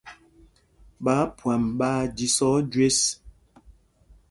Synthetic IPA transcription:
ɓa˨˦pwa˨mɓaː˦di˨sɔ˦d͡ʒwe˦s

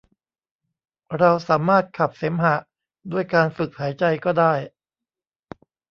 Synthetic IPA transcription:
ɾa˧wsaː˩˦maː˥˩t̪̚kʰa˨˩p̚se˩˦mɦa˨˩˦ | du˥˩əjkaː˧nfɯ˨˩k̚haː˩˦jt͡ɕa˧jkɔː˥˩daː˥˩j

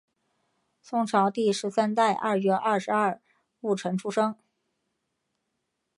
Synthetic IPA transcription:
sʊ˥ŋʈ͡ʂʰɑ˧˥ʊt̪i˥˩ʂɻ̩˧˥sa˥nt̪a˥˧ɪʔɐ˥˩ɥɛ˥ʔɐ˥˩ʂɻ̩˧˥ɐ˥˩˧ | u˥˩ʈ͡ʂʰɤ˧˥ŋʈ͡ʂʰu˥ʂɤ˥ŋ

